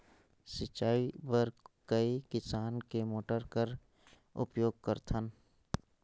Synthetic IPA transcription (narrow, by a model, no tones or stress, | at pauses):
sɪt͡ʃaːibəɾkəikɪsaːnkemoːʈəɾkəɾ | ʊ̰pjoːɡ̚kəɾt̪ʰən